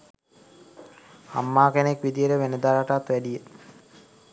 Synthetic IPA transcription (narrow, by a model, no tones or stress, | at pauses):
a̰mːaːkenekʋid̪ijəɾəʋenəd̪aːɾaʈat̪ʋæɖijə